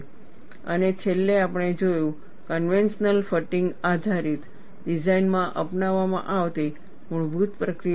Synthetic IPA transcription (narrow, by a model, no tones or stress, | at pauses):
ə̰net͡ʃʰelːeapəɽ̃ed͡ʒojũ | kənʋenʃnəlfəʈiŋɡad̪ʱaɾit̪ | ɖid͡ʒainmãʔəpnaʋːamã̰ʔaʋt̪i | muɭbʱut̪pɾəkɾi